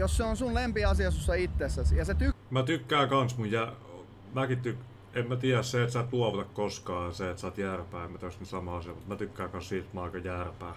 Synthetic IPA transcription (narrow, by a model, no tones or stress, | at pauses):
josseonsunlempiɑsiɑsusːɑit̪ːesːæsjɑset̪ymæt̪ykːæːkɑnsmujjæ | mækit̪t̪yk | emmæt̪iææsseet̪sɑːt̪luɑʋot̪ɑkkoskɑːɑseet̪sɑːt̪jæːrpæːemæt̪øsnt̪sɑmɑɑsiɑmut̪mæt̪ykːæːkɑnssiːlt̪mɑikɑjæːrpæː